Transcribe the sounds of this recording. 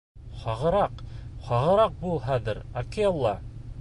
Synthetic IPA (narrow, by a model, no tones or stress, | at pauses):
χɑʁɤ̆ɾɑqχɑʁɤ̆ɾɑq̚bulˠɦæðɘɾɐkeolˠːɑ